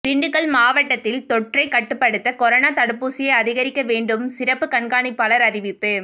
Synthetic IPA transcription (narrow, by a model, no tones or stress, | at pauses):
t̪ɪɳɖɯkːɐɭmaːʋɐʈːɐt̪ːɪlt̪ɔʈrɐɪkɐʈːɯpːɐɽɯt̪ːɐkɔɾɐnaːt̪ɐɽɯpːuːsɪjɐɪɐðɪɣɐɾɪkːɐʋeːɳɖɯmsɪɾɐpːɯkɐɳɡaːɳɪpːɐlɐɾɐɾɪʋɪpːɯ